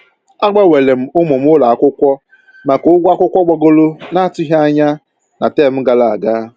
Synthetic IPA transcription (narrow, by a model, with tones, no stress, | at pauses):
a˦ɡ͡ba˦we˨le˨m̩˦ʊ˦mʊ˨m̩˦ʊ˦la˨a˦˨kʷʊ˦kʷɔ˦ | ma˨kʊ˦ɡʷa˦kʷʊ˦kʷɔ˦ɡ͡bɔ˦ɡo˦lʊ˦na˦a˦˨tʊ˦ɦa˦a˦ɲa˦ | na˨te˦˨m̩˦ɡa˦la˨a˨ɡa˦